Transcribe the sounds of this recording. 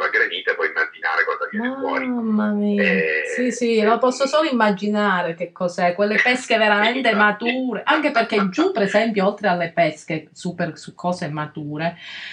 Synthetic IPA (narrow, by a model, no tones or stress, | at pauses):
laɡɾeniːt̪epɔimːad͡ʒina̰ːɾekwand̪omaɔɾimːamiːsisilopɔsːosoːloimːad͡ʒinaːɾek̟ekʰːɔsɛkːwelːepɛskeveɾamɛnt̪emat̪uːɾeʔaŋk̟eperkːed͡ʒupːeɾezɛmpjoɔlt̪ɾealːepɛsk̟esupersukʰːɔːsemat̪uːɾe